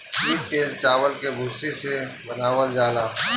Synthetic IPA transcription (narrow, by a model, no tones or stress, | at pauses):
iːk̚t̪eːlt͡ʃaːʋəlkebʱʊsisebɐnaːʋəld͡ʒaːlaː